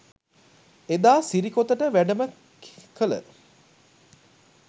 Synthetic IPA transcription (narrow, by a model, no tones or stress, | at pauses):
ed̪aːsiɾikot̪əʈəʋæɖəmə | kkələ̰